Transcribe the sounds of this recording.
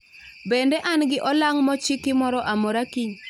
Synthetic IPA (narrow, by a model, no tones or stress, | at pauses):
bendɛʔanɡɪʔɔlaŋmɔt͡ʃɪkɪmɔɾɔʔamɔɾakiɲ